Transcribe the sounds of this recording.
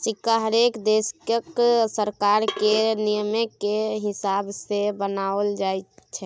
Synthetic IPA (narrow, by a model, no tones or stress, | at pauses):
sikaɦəɾekd̪eskəksəɾkaɾkenijəmekeɦisabsebənaəld͡ʒajt͡ʃʰɛ